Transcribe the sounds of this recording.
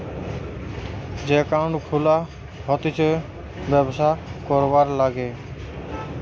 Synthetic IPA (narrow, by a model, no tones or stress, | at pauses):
d͡ʒekaɳkʰula | ɦɔt̪it͡ʃʰe | bɛbsakɔɾbaɾlaɡe